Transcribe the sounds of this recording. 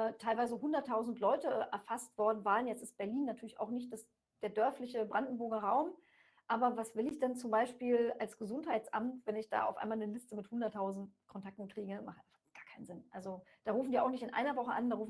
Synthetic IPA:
tʰaɪlvaɪzəɦʊndɐtʰːaʊzn̩tlɔʏtəʔɛ̰ɐfastv̥ɔɐdn̩vaːʁənjɛt͡sɪstb̥ɛɐliːnːatʰyɐlɪça̰ʊxnɪçt̚d̥as | d̥eːɐdœɐflɪçəbʁandn̩bʊɐɡɐʁaʊm | ʔaːbɐvasv̥ɪlɪçd̥ɛnt͡sʊmbaɪʃpiːlalsɡ̥əzʊnthaɪt͡sʔa̰mtvɛnɪçd̥a̰ːʔaʊfʔaɪnmaːlnəlɪstəmɪthʊndɐtʰːaʊzn̩tkʰɔntʰak̚tn̩kʁ̥iːɡəmaχʔaɪfaɡ̥aːɐkʰaɪnzɪnʔalzod̥aːʁuːfn̩diːaʊxnɪçtɪnʔa̰ɪnɐvɔχəʔandaːʁuːfn

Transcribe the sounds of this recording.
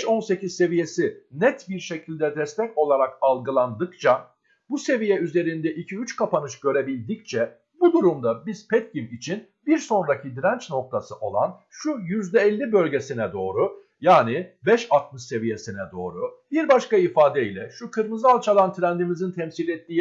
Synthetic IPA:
ʃo̞nse̞cizse̞vije̞sinɛt̪biɾʃe̞cʰilʲd̪ɛd̪ɛst̪ʰɛco̞lˠaɾakalˠɡɯlˠand̪ɯkt͡ʃʰa | buse̞vijɛyze̞ɾind̪ɛʔicʰiyt͡ʃkʰapanɯʃɟ̥ø̞ɾe̞bilʲd̪ic̚t͡ʃʰɛ | bud̪uɾumd̪abiz̥pʰɛt̪̚cimit͡ʃʰin | biɾso̞nɾacʰid̪iɾænt͡ʃno̞k̚t̪ʰasɯʔo̞̰lˠa̰n | ʃujyzd̪ɛɛlʲːibø̞lʲɟe̞sinɛd̪o̞ːɾu | jaːnibɛʃat̪̚mɯʃse̞vije̞sinɛd̪o̞ːɾubiɾbaʃkaifaːd̪ɛilʲɛʃukʰɯɾmɯzalˠt͡ʃʰalˠant̪ʰɾænd̪imizint̪ʰɛmsilʲɛt̪ːiː

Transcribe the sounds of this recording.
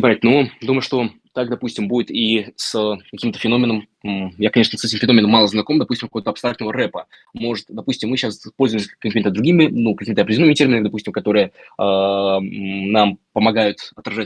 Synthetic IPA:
pɐɾʲet̪nod̪uməjʊʂt̪o̞ | t̪akd̪ɐpusʲtʲɪmbudʲɪt̪isəkɐkʲimt̪ə̥fʲɪnomʲɪnəm | jakɐnʲeʂnəsɛtʲɪmfʲɪno̞mʲɪnəmːɑlˠəznɐkomd̪ɐpusʲtʲɪmkovət̪ɐpst̪ɾak̚t̪nəvəɾɛpə | mo̞ʐɨt̪d̪ɐpusʲtʲɪmːɨɕaspo̞lʲzʊjɪmsʲəkkʲimʲɪt̪əd̪ɾʊɡʲimʲɪnukɐkʲimɪt̪əɐpɾʲdʲɪlonmɪtʲe̞rmʲɪnəmɪd̪ɐpusʲɪmkɐt̪o̞ɾɨjəa | nampəmɐɡajʊt̪ɐt̪ɾɐʐat̚ʲ

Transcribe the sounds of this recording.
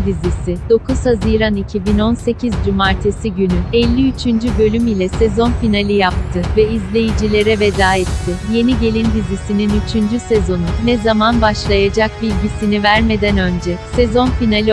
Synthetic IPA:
d̪izisɪd̪̥o̞kʰuz̥haziːɾanicʰibino̞nse̞cʰizd͡ʒymaɾt̪ʰesiɟynyɛlʲːiyt͡ʃʰynd͡ʒybø̞lʲymilʲɛsɛzo̞nfinalʲijap̚t̪ʰɯvɛizlʲe̞jid͡ʒilʲe̞ɾɛve̞d̪aːɛt̪ʰːɪje̞niɟe̞lʲind̪izisininyt͡ʃʰynd͡ʒysezo̞nunɛzamanbaʃlˠajad͡ʒak̚bilʲɟisinivæɾme̞d̪ɛnø̞nd͡ʒɛsezo̞nfinalʲi

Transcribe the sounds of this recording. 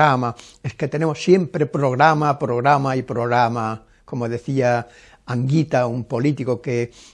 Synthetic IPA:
amaesket̪enemossjempɾepɾoɣɾamapɾoɣɾamaipɾoɣɾama | komoðeθia | aŋɡit̪aumpolit̪ikoke

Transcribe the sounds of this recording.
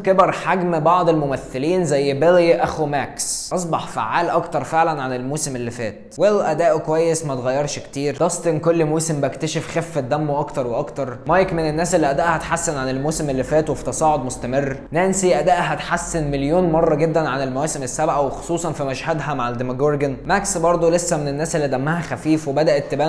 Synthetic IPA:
kebɑɾˤħaɡmbɑʕd̪ˤelmomæθːeliːnzæjːbeliʔæxumæksʔɑs̬ˤbɑħfa̰ʕːaːlʔɑkt̪ɑɾˤfeʕlænʕanelmoːsemelːifæːt̪welʔæd̪æːʔkowæjːesmæt̪eɣæjːɑɾˤʃkt̪iːɾd̪ɑsˤt̪ˤʔenkolːmuːsembækt̪æʃefxefːæd̪æmːoʔɑkt̪ɑɾˤweʔɑkt̪ɑɾˤmɑjkmenenːæːsʔelːiʔæd̪æʔhæt̪ħasːenʕanelmoːsemʔelːifæːt̪wefi̥t̪ɑsˤɑːʕod̪most̪æmerːnæːnsiʔæd̪æʔɦæt̪ħasːenmeljoːnmɑrˤːɑɡed̪ːænʕanelmæwæːsemesːæbʕæwexo̥sˤuːsˤɑnfimæʃhæd̪ɦæmaʕald̪emæɡoɾɡenmæksbɑɾˤd̪ˤolesːæmenenːæːselːid̪æmːæhæxæfiːfwebæd̪æʔet̪ːebæː

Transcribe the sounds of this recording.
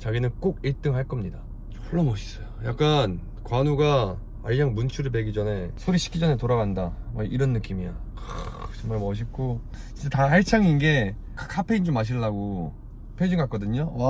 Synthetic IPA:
t͡ɕaɡinɯnk͈oɡiɭt͈ɯŋɦaɭk͈ʌmɲida | t͡ɕo̥ɭːʌmʌɕʰi̥s͈ʌjojak͈̚an | kwanuɡa | aɭjaŋmunt͡ɕʰuɾɯɭp̬e̞ɡid͡ʑʌne̞sʰoɾiɕʰi̥k͈ʰid͡ʑʌne̞toɾaɡandamaʔiɾʌnːɯk͈imia̰kt͡ɕʌŋmaɭmʌɕ̬ʰik͈o | ind͡ʑetaɦaɭt͡ɕʰaŋinɡe̞ | kʰkʰapʰeind͡ʑomːaɕ̬ʰiɭːaɡo | pʰed͡ʑiŋɡak͈ʌdɯɲo

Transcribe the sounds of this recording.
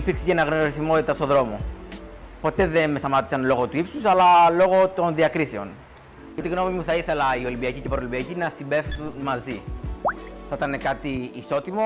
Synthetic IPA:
ipiɾksecenɐɣnoɾiθimo̞t̪it̪ɐst̪o̞ðɾo̞mo̞ | po̞t̪e̞ðe̞nmest̪ɐmɐt̪i̥sɐnlo̞ɣo̞t̪uipsusɐlɐlo̞ɣo̞t̪o̞nðiɐkɾise̞o̞̰n | ɐt̪iɣno̞mimuθɐiθe̞lɐio̞limbiɐcice̞pɾolimbiɐcinɐsimbe̞fθunmɐzi | θɐit̪ɐne̞kɐt̪iːso̞t̪imo̞

